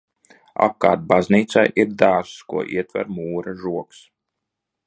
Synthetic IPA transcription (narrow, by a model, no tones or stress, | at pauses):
a̰p̚kaːt̪̚bazniːt̪sajʔiɾd̪aːɾskuɔʔḭɛt̪væ̰ɾmuːɾaʒuɔks